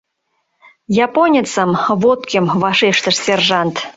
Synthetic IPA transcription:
jɑponʲet͡səmβot̪kʲĕmβɑʃeʃt̪ə̆ʃsʲerʒɑnt̪

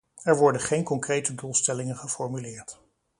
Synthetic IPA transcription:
ɛɹʋɔɹdəχejnkɔŋkrejtədulˠstɛlɪŋənχəfɔɹmylɪːɹt

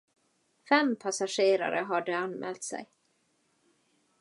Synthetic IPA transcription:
fɛmpʰasaʂeːɾa̰ɾəɦaɖɵanmɛ̰ːlt̪sɛ̰j

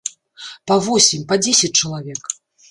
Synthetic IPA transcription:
pavɔsʲimʲpad͡zʲesʲɐt͡s̚ʲt͡ʂɐlˠavʲɛk

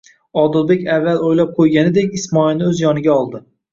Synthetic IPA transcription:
ɒd̪ɪlˠbe̞kʲavːalojlap̚qʰojɡʲanɪd̪ekʲɪsmɒɪlnɪɵzjɒnɪɡʲaɒlˠd̪ɪ

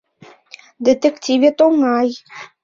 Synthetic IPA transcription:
d̪et̪ektʲivʲet̪oŋɑj

